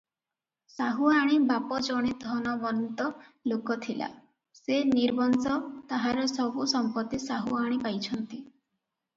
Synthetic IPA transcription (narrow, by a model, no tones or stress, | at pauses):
saɦuaɽ̃ibapɔd͡ʒɔɽ̃ed̪ʱɔnɔbɔnnt̪ɔlokɔt̪ʰila̰ | seniɾbɔnsɔt̪aɦaɾɔsɔbusɔmpɔt̪isaɦuaɽ̃ipajt͡ʃʰɔnt̪i